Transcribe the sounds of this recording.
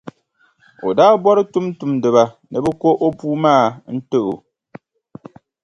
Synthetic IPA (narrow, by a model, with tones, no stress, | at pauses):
o̰˨daː˦bɔ˦ɾɨ˦tu˦mtu˨mdɨ˨βa˨ | nɨ˨bɨ˦ko˦ʔo˦puː˦maː˦˨n̩˦tɨ˦ʔo̰˨